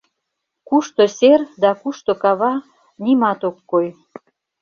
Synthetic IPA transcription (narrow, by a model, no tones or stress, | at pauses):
kuʃt̪oserd̪ɑkuʃt̪okɑβɑ | nimɑt̪okːoj